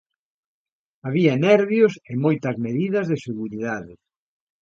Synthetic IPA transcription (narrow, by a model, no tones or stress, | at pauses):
aβiɐnɛɾβjosemojt̪ɐzmeðiðɐzðɪseɣuɾiðaðɪ